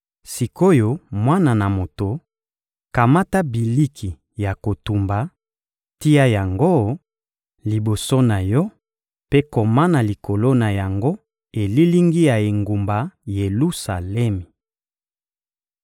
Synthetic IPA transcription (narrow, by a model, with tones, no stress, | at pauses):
si˨ko˦jo˨mwa˦na˨na˨mo˨to˨ | ka˨ma˦ta˦bi˨li˦kʰi˨ | ja˨ko˨tu˨mba˨ | ti˦ja˦ja˨ŋɡo˦ | li˨bo˨so˦na˨jɔ˦ | pe˦ko˨ma˦na˨li˨ko˨lo˦na˨ja˨ŋɡo˦ | e˨li˦li˦ŋɡi˦ja˨e˨ŋɡu˨mba˨je˨lu˦sa̰˨lɛ˦mi˨